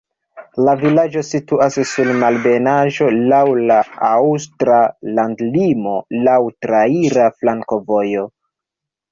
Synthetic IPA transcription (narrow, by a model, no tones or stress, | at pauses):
lavilad͡ʒo̞situassulmalbe̞naʒo̞lawlaawstɾalandlimo̞lawtɾaiɾaflaŋko̞vo̞jo̞